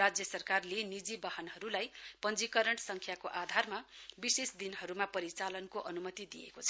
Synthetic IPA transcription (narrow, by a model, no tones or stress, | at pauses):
ad͡zjʌsʌrkarlenid͡zibʌɦʌnɦʌɾulajpʌnd͡zikʌɾʌɳʈsʌŋkʰjakoʔad̪ʱarmabisesd̪inɦʌɾumapʌɾit͡salʌnkoʔʌnumʌt̪id̪ijḛkot͡sʰʌ